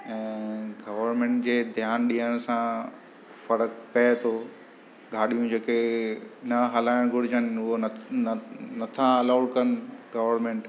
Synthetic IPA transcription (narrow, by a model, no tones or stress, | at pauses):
ɛ̃ːɡɐʋəɾmẽːɳʈd͡ʑeːd̪ʱjaːnɗĩəɽ̃sã | fɐɾəkpɐt̪ʰoː | ɠʱaːɗijũd͡ʑeːkenɐɦɐlaːɪɽ̃ɡʱʊɽɪd͡ʑənɪʊɦo | nɐt̪ʰãɐlaːɽkɐnɪɡɐʋəɾnmẽːɳʈ